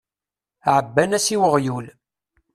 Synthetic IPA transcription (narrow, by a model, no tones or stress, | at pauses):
ʕəbːænæsiwəʁjul